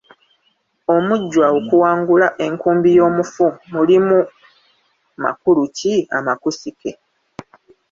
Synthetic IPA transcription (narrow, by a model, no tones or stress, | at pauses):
o̞muɟːwaokuwaːŋɡulaʔe̞ŋkuːmbijo̞ːmufumulimu | ma̰kulucia̰makusike̞